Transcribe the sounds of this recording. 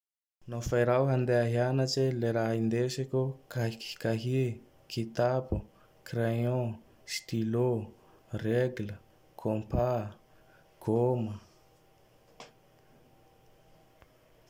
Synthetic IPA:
nofajɾawɦand̪eaɦianat͡ʃeleɾaɦind̪esekʲukaki̥kaɦi | kʰit̪apu | kreõ | st̪ilo | reɡlə | kʰompa | ɡ̥omə

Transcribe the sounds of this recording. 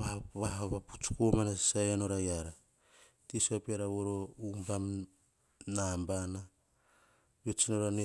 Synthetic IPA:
aβaɦaβapu̥t͡ʃu̥komanasisajano̞ɾajaɾa | tisapiaɾaβoɾo̞umbam | nambana | βet͡ʃinoɾane

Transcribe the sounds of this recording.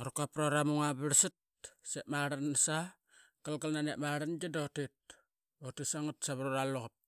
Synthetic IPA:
oɾukapɾoɾamuŋaβiɾsit̚ | seʔmaɾansa | kalɡalnaneʔmaɾand͡ʒidotit̚ | otisaŋatsaβɾuɾaloɣop̚

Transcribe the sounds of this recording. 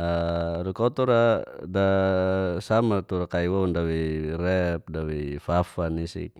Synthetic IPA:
aɾukɔt̪ɔɾada | samat̪uɾakaiwaundawiɾɛp̚dawifafanisḭk̚

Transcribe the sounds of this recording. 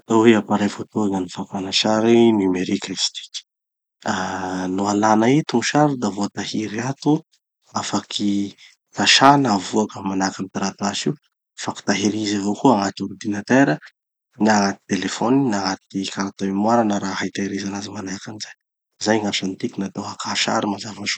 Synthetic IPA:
t̪aweapaɾajfot̪uaŋənifapanaʃaɾinameɾikasi̥t̪i̥ki̥ | anualanait̪uŋʃaɾud̪avot̪ahiɾiat̪u | afakʰi | t̪aʃanavuakəmanakanit̪aɾat̪aʃi | faki̥t̪aɦiɾizavokuaŋat̪iuɾd̪inat̪eɾə | naŋat̪i̥t̪elefoninaŋat̪̚ikaɾat̪oimwaɾanəɾaɦajt̪aiɾizanazimanakanizaj | zajŋat͡ʃant̪ikʲinat̪awakʰaʃa̰ɾimazavaʃu̥

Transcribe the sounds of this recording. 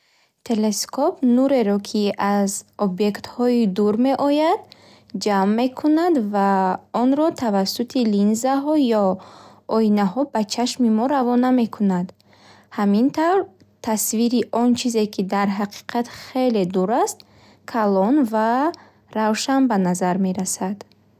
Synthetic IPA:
t̪ʰe̞le̞skʰɔpnuɾe̞ɾɔkʰiazɔbje̞kt̪hɔid̪uɾme̞ʔɔjad̪ | d͡ʒamːe̞kʰunad̪vaɔnɾɔt̪ʰavasːut̪ʰilinzaɦɔjɔ | ɔinaɦɔbat͡ʃʰaʃmimɔɾavɔname̞kʰunad̪ | hamint̪ʰawɾ | t̪ʰasviɾiʔɔnt͡ʃʰize̞kʰid̪aɾɦaqʰi̥qʰat̪χe̞le̞d̪uɾast̪ | kʰalɔnva | ɾawʃanbanazaɾme̞ɾasad̪̥

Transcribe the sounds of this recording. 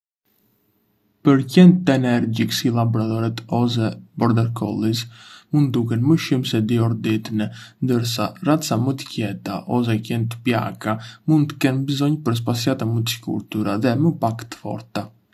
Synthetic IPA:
pəɾcɛnt̪ɛnɛɾɟiksilabɔɾat̪ɔɾɛt̪ɔs̬ɛbɔɾd̪ɛɾkʰɔ̰lˠismund̪̚d̪ukɛnməʃimsɛd̪iɔɾd̪it̪nɛnd̪əɾsarat̪t͡samət̪ə̥cɛt̪aʔɔs̬ɛcɛnt̪ə̥pja̰kamund̪̚t̪ə̥kɛnbəzɔɲpəɾs̬pasiat̪amət̪əsi̥kṵɾt̪uɾaðɛməpakt̪ə̥fɔ̰ɾt̪a

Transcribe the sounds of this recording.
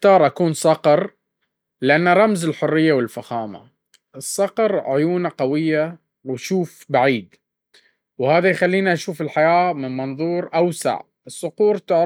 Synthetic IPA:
t̪ɑːɾˤʔakuːnsˤɑqɾ | lɪʔanːaɾˤɑmzɪlħʊrːɪjːawɪlfaxaːma̰ | ʔɨsˤːɑqɾˤʕʊjuːnaqɑwɪjːa | wɪʃuːfbaʕiːd̪ | whaːðajxalːiːniʔaʃuːfɪlħajaːmɪnmɑnðˤuːɾʔawsa̰ʕ | ɨsˤːʊquːɾt̪ɪʕ

